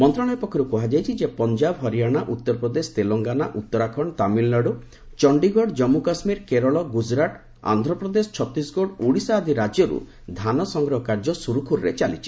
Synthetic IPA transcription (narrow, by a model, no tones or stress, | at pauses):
mɔnt̪ɾɔɽ̃ɔjpɔkʰːɔɾukɔɦad͡ʒajt͡ʃʰid͡ʒepɔnd͡ʒabɦɔɾijaɽ̃aʔut̪ːɔɾpɾɔd̪est̪elɔŋɡanaʔut̪ːɔɾakʰɔɳt̪amilnɔɽu | t͡ʃɔɳɖiɡʱɔɽd͡ʒɔmːukasmiɾkeɾɔɭɔɡud͡ʒɾaʈ | a̰nd̪ʱɾɔpɾɔd̪esɔ̥t͡ʃʰɔt̪ɾisɡɔɽuɽisaːd̪ʱiɾad͡ʒjɔɾṵ | d̪ʱanɔsɔŋɡɾɔɦɔkaɾd͡ʒɔsuɾukʰuɾɾḛt͡ʃalit͡ʃʰi̥